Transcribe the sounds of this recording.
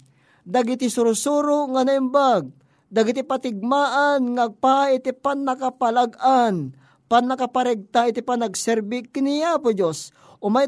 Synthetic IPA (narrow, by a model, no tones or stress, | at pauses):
d̪aɡɪt̪ɪsʊɾʊsuːɾʊŋanaɪmbaɡ̚ | d̪aɡɪt̪ipat̪ɪɡ̚maːʔanŋaɡ̚paɪt̪ɪpanːakapalaɡan | panːɐkapaɾɛɡ̚t̪aɪt̪ɪpanɐɡsɛɾbɪkɪniapʊd͡ʒos | ʔʊmaj